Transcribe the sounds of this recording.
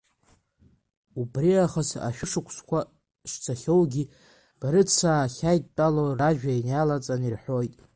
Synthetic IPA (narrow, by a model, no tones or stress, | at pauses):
ubriaχəsa̰ʃᶣɪʂɨkʷʰskʷʰa | ʂt͡sʰaχʲowɡʲi | b̥aɾɨt͡sʰaːχʲajtʼtʼaloraʒᶣainjalat͡sʼanirħʷo̞jtʼ